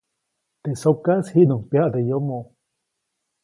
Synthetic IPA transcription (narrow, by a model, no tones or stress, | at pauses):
t̪esokashinuŋpeaʔd̪ejomo